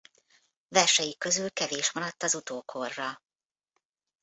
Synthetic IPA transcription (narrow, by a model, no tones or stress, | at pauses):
vɛrʃɛjikø̞zylkɛveːʃmɒɾɒt̪ːɒzut̪oːkʰo̞rːɒ